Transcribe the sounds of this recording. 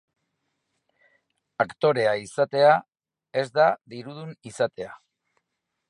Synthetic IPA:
akt̪o̞ɾe̞aisat̪e̞a | e̞zd̪aðiɾuð̞unisat̪e̞a

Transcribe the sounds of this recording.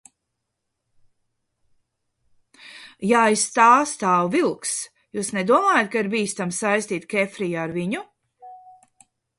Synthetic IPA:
jaːist̪aːst̪aːwvilˠks | juːsnɛd̪uɔmaːjat̪̚kaiɾbiːst̪amsajst̪iːt̪kʲɛfɾijaaɾviɲu

